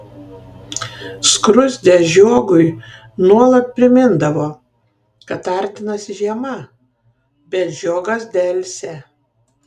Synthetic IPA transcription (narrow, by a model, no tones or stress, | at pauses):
skɾʊzʲd̪ʲɛʒʲoɔɡʊj | nuɔlˠɐt̪̚ʲpʲɾʲɪmʲɪnd̪ɐʋoː | kɐt̪ɐɾʲt̪ʲɪnɐsʲɪʒʲiɛmɐ | bʲɛt̪ʒʲoːɡɐsd̪ʲɛlʲsʲɛ